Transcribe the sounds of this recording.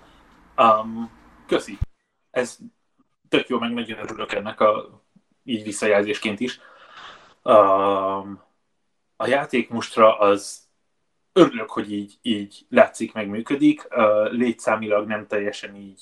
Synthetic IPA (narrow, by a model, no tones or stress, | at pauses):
øːm | køsi | ɛz | t̪ø̞kjoːmɛɡmɛɟønøɾyløkɛnːɛkɒ | iːɟvisːɒjaːlzeːʃkeːnt̪iʃ | øm | ɒjaːt̪eːkmuʃt̪rɒʔɒz | øɾyløkho̞ɟiːɟiːɟ | laːt̪sikmɛɡmyːkø̞d̪ikøːleːt̪saːmilɒɡnɛmt̪ɛjːɛʃɛniːɟ